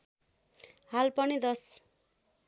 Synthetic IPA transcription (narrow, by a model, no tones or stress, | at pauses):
halpʌnid̪ʌs